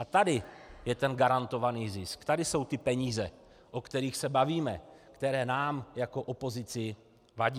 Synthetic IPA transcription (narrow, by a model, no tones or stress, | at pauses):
at̪adɪjɛt̪ɛnɡaɾant̪o̞vaniːzɪskt̪adɪso̞wt̪ɪpɛɲiːzɛ | ʔokt̪ɛɾiːxsɛbaviːmɛkt̪ɛɾɛːnaːmjako̞ʔo̞po̞zɪt͡sɪ | vaɟiː